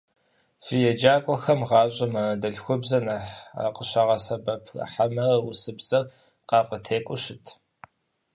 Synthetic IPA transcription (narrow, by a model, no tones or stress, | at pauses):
fijɛd͡ʒaːkʷʼɔxɐmʁɑːɕʼɐmɐrɐdɐɬxʷʊbzɐnɐħa̰qəɕɐʁɐsɐbɐpʰɐ̰ħamɐrɐwʊsɨbz̥ɐr | qɑːfʼɐtʰeːkʷʼʊɕɪtʰ